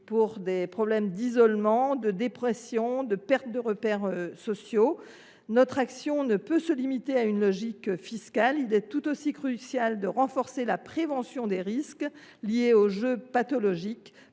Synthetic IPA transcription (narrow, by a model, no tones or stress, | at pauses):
puʁd̪epχɔblɛmd̪izɔlmɑ̃d̪əd̪epχɛsjɔ̃d̪əpɛʁt̪̚d̪əʁəpɛʁøsɔsjo | nɔt̪χaksjɔ̃nəpøsəlimit̪eaynlɔʒikfiskalilɛt̪ut̪osikχysjald̪əʁɑ̃fɔʁselapχevɑ̃sjɔ̃d̪eʁisk | ljeoʒøpat̪ɔlɔʒik